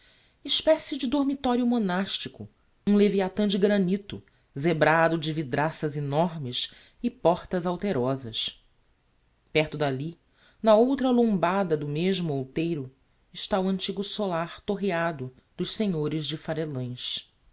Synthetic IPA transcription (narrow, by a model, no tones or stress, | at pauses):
ɪʃpɛsɪd͡ʒɪd̪oɾmit̪ɔɾjʊmonaʃt͡ʃikʊ̰ | ũleviat̪ɐ̃d͡ʒɪɡɾɐnit̪ʊ̰ | zebɾad̪ʊd͡ʒɪvid̪ɾasɐzinɔɾmɪs | ɪpɔχt̪ɐzawt̪eɾɔzɐs | pɛχt̪ʊd̪ali | nɐowt̪ɾɐlõmbad̪ɐd̪ʊmeʒmʊowt̪ejɾʊ | ɪʃt̪aʊɐ̃nt͡ʃiɡʊsolaɾt̪oɦiad̪ʊ | d̪ʊʃseɲoɾɪzd͡ʒɪfaɾelɐ̃j̃ʃ